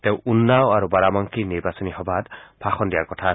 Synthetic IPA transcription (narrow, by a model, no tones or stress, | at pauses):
t̪ew̃unːawaɾubaɾamaŋkʰiniɹbasɔniɦɔbat̪bʰʱaxɔndijakɔtʰa